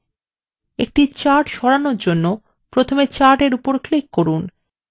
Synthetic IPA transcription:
ek̚ʈit͡ɕaɾʈʃɔɾanoɾd͡ʑonːo | pɾot̪ʰomet͡ɕaɾʈeɾupoɾklikːoɾun

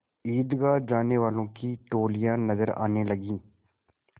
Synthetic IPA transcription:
iːd̪ɡaːd͡ʒaːneːʋaːlõːkiːʈoːlɪjãːnəzəɾa̰ːneːləɡĩː

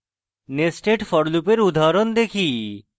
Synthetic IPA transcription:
nesʈeʈfʰɔɽlupeɾud̪ʱaɾɔnd̪ekʰi

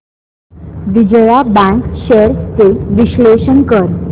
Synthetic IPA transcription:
ʋid͡ʑəjabãŋkɕeɾt͡seʋiɕleɕənkəɾ

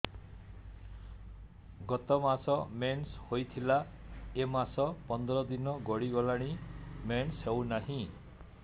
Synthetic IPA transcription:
ɡɔt̪ɔmasɔmenshojt̪ʰila | emasɔpɔnd̪ɾɔd̪inɔɡɔɽiɡɔlaɽ̃imenshewnaɦĩ

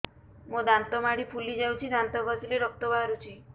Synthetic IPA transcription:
mod̪ant̪ɔmaɽipʰulid͡ʒawt͡ʃʰid̪ant̪ɔɡɔsileɾɔk̚t̪ɔbaɾut͡ʃʰi

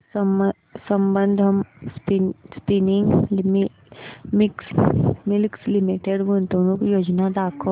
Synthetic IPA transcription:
s | sɐ̃mbə̃nd̪ʱɦɐmspispinɪ̃ŋɡm | mɪksmɪlkslɪmiʈeɖɡunt̪õnõkjoːd͡ʒnad̪aːkʰo

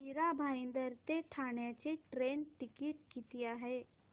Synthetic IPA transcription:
iɾabʱaːĩnd̪əɾt̪eʈʰaːɳjat͡ʃeʈɾeːnʈɪkɪʈ̚kit̪ijaɦɛː

